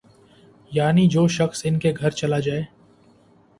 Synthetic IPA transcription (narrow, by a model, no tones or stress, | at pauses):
jaːnid͡ʒoːʃɐxsɪnkeɡʱɐɾt͡ʃɐlad͡ʒaːeː